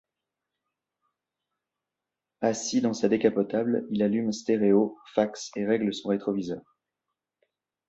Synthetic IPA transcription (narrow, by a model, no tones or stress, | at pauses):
asid̪ɑ̃sad̪ekapɔt̪ablilalymst̪eʁeofakseʁɛɡləsɔ̃ʁet̪χɔvizœːʁ